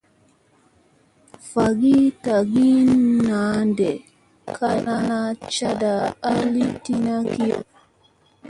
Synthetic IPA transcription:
fa˨ɡi˦ta˨ɡi˦nːa˨˦ndɛ˨ | kʰa˦na˦na˦t͡ʃa˦daː˨˦li˦ti˦na˦ki˦o̰˨

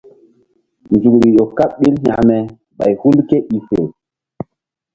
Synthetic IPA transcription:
n˨zu˨kɾi˨ɗo˨ka˦pɓi˦lha̰˨mɛ˨ | ɓa̰˨jhu˦lke˦ʔi˨fe˨

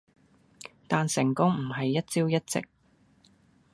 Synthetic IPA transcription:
t̪aː˨nsɪ˨˩ŋkʊ˥ŋm̩˨˩ɦɐ˨jːɐ˥t̚t͡siː˥wjɐ˥t̚t͡sɪ̰˨k̚

